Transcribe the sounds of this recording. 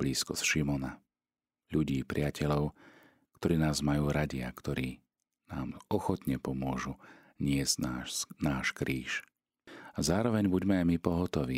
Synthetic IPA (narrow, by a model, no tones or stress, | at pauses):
bliːskɔsʃimɔna | ʎuɟiːpɾɪacɛʎɔʊ | kt̪ɔɾiːnaːzmajuːɾaɟɪa̰kt̪ɔɾiː | naːmɔxɔt̪ɲɛpɔmʊɔʒu | ɲɪɛzɟnaːʃkɾiːʃ | azaːɾɔʋɛɲbuɟmɛajmipɔɦɔt̪ɔʋḭː